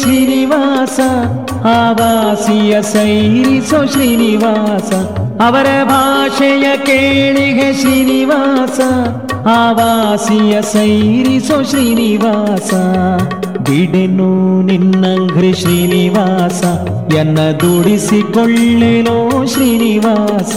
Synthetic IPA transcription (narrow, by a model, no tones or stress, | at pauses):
ʃɾiːniʋaːsɐ | aːʋaːsijɐsɐjɾisoʃɾiːniʋaːsɐɐʋɐɾebʱaːʂɐjɐkeːɭiɦeʃɾiːniʋaːsɐ | aːʋaːsijɐsɐjɾisoʃɾiːniʋaːsɐ | biɽenuninːɐŋɡʱɾiʃɾiːniʋaːsɐ | jɛnːɐd̪uɽisikɔɭːeloːʃɾiːniʋaːsɐ̥